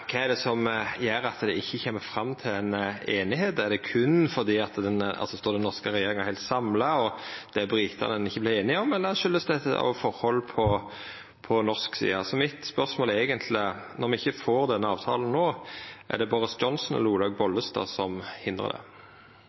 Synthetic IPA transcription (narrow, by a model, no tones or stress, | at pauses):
kʰɑæd̪ɛsɔmjæɾɑt̪d̪ɛʔɪçːəçeːmːəfɾɑmːt̪ʰɪlɛneːnɪheːd̪æd̪ɛkʰʉnfɔd̪iːɑt̪d̪ɛnɑ̰lsɔst̪oːd̪ɛnːɔʁskəɾɛjeːɾʁɪŋəhæɪlt̪sɑmlɑɔd̪̥ɛbɾiːt̪ʰɑ̰nənɪçːəblɪeːnɪɔmɛlːəʃʏləst̪ɛt̪əɑ̰ʋfɔɾhɔlpʰɔ | pʰɔnɔʁsksḭːɑsɔmɪt̪spœɾsmoːleːɡənt̪ʰlɪnɔɾmɛɪçːəfoːɾd̪ɛnːəɑːʋt̪ʰɑ̰ːlən̩noːʔæ̰d̪ɛbɔɾəsdd͡ʒɔnsnɛ̰ləuːlɑːɡ̚bɔlːəst̪ɑ̰ːsɔmhɪnd̪ʁə̰d̪ɛ̰